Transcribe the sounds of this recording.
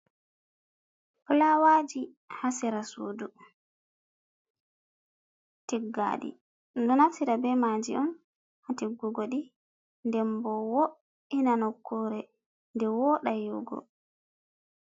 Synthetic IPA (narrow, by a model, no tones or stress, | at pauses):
plawad͡ʒi | hasɛɾasṵːdu | tiɡːa̰ɗḭ | dɔnafsiɾabɛmad͡ʒḭɔn | hatiɡːuɡɔɗi | ndɛmbɔwɔ | inanɔkːɔɾɛ | ndɛwɔɗajuɡɔ̰